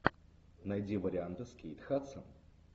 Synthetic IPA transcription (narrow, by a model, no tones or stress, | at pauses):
nɐjdʲivəɾʲɪant̪ɨskʲejt̪xat̪səm